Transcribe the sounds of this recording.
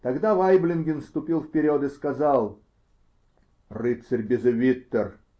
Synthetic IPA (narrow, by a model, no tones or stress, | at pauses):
t̪ɐɡd̪avajblʲɪnɡʲɪnfst̪ʊpʲilˠfpʲɪɾʲod̪ɨskɐzɑlˠ | rɨt̪sərʲbʲɪzɨvʲit̪ːər